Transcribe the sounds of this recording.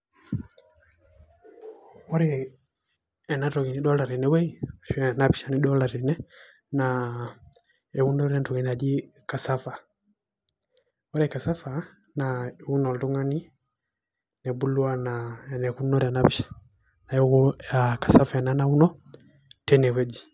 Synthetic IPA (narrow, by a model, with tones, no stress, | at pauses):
ɔ˦ɾɛ | ɛ˨na˦ɾɔ˨ɡi˨ni˨˦ɗɔ˦la˨ɾɛ˨nɛ˦wɛ˦i˨ʃnapiʃa˦ni˦ɗɔ˦la˨ɾɛ˨nɛ˦ | na | ɛ˨u˦nɔ˦ɾɛ˦ntɔ˨ɡi˨na˨d͡ʒi˦ | ka˨sa˦fa˨ | ɔ˦ɾɛka˨sa˦fa˨ | nau˦nɔ˨ldu˦ŋa˦ni˦ | nɛ˨bu˦lu˦a˦naɛ˨nɛ˨ku˦nɔ˦ɾa˨napi˦ʃḁ | na˨jɔ˦kɔ˦aka˨sa˦faɛ˨nanau˦nɔ˦ | tɛnɛ˨wɛ˦d͡ʒi˨